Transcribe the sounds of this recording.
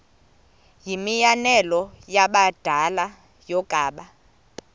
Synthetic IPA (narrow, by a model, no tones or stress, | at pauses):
jimijanɛlɔjaɓad̥ʱala | jɔɡ̥ʼʱaːɓa